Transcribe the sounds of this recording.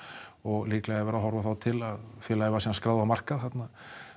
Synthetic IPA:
ɔɣliːklɛɣavɛːɾaɦɔɾvaθawt̪ʰɪlaðfjɛlaːjvasiːnanskɾaːwðamar̥kaðhɛt̪na

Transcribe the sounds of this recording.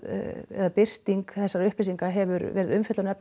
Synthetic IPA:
ɛ̰ðapɪr̥t̪iŋkθɛsːaɾʏhplisiŋkaɦɛvʏɾvɛːɾɪðʏmfɛt̪laɾnɛp

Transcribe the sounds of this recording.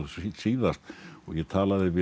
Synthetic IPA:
siːðast̪ɔ̰ɣjɛt̪ʰaːlaðɪvɪ

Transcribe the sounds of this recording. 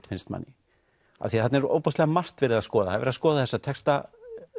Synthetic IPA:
t̪fɪnst̪ma̰nːɪ | a̰ðθiaθɛt̪nɛɾo̰ːwpɔst̪lɛɣamar̥t̪vɛɾɪðaðskɔːðaaðvɛɾðaskɔːðaθɛsːat̪ʰɛkst̪a

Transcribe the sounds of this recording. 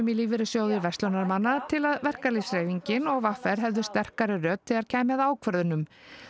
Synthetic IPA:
ʏmɪliːvɪɾɪsjoːwðɪɾvɛst̪lɔnaɾmanːat̪ʰɪlaðvɛr̥kalisɾeːjviɲcɪnɔɣvafɛɾ̥ɦɛvðʏst̪ɛr̥kaɾɪrœːt̪ʰːɪaɾcʰaːjmaðaːwkʰvœɾðʏnʏm

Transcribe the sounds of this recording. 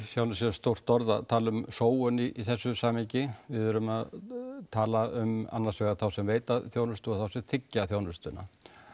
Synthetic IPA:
θjawnʏsɛst̪ow̥t̪ɔɾðat̪ʰaːlʏmsoːwʏniʔiθɛsːʏsaːmicɪvɪðʏɾʏmaðt̪ʰaːlaʏma̰nːaɾsvɛɣaɾθawsɛmveːjt̪aθjoːwnʏst̪ʏɔθawsɛmθʰɪcːaθjaːwnʏst̪ʏnːa̰

